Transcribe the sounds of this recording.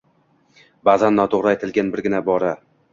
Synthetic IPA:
bazanːɒt̪ʰoʁɾaet̪ʰɪlɡʲanbɪɾɡʲɪnabɒɾa

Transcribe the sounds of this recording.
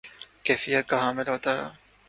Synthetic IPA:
kɛːfijət̪̚kaɦãmɪlɦoːt̪aɾa̰ː

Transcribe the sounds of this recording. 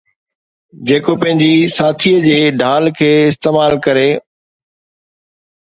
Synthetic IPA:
d͡ʑeːkopɐ̃ɦɪ̃ɲd͡ʑisaːt̪ʰiəd͡ʑeːɖʱaːlkʰeːɪst̪eːmaːlkɐɾeː

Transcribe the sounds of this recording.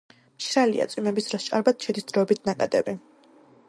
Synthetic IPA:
mʃɾalia̰t̪sʼwimɛbisd̪ɾɔst͡ʃʼaɾbat̪̚ʃʰɛd̪isd̪ɾɔːbit̪ʰnakʼad̪ɛ̰bi

